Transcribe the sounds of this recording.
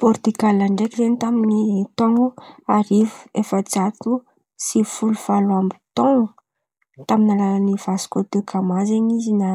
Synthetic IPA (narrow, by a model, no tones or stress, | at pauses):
pɔɾt̪ikalaɳɖ͡ʐekiɾent̪amiinit̪ɔŋuaɾivu̥efət͡sat̪u | sifuluvaluambit̪ɔŋu | t̪aminalaaniv̥asi̥kot̪ekʰamazeɲizina